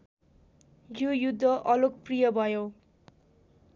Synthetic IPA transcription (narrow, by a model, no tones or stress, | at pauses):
jojud̪ʱːʌʔʌlokprijʌbʱʌjo